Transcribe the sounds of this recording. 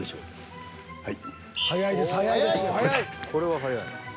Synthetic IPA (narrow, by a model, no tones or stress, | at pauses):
eɕo̰ː | hai | sajaid̪esajaid̪esajkʰo̞ɾe̞βasaja̰ḭ